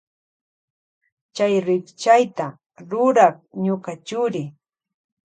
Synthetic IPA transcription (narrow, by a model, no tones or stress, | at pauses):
t͡ʃajɾɪkt͡ʃajt̪a | ɾʊɾɑχɲʊkat͡ʃʊɾɪ